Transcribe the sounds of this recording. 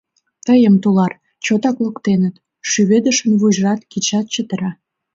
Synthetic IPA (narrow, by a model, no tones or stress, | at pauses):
t̪əjəmt̪ulɑr | t͡ɕot̪ɑkləkt̪enət̪ | ʃyβed̪əʃə̆nβuʒrɑt̪kit͡ɕɑt̪̚t͡ɕət̪əɾɑ